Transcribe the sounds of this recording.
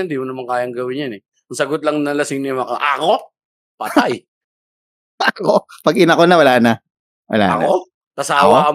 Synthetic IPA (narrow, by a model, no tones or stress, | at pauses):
nd̪iːmʊnɐmaŋkaːjɐŋɡɐwɪɲjɐnɛ | ʊŋsɐɡot̪̚lɐŋnɐlɐsɪŋnɪmɐkoʔɐko̞ | pɐt̪aj | ɐkopɐɡɪnɐkonɐwɐlaːnɐ | wɐ̰la̰ːɐ̰k̪ao | t̪ɐsaːwaɐ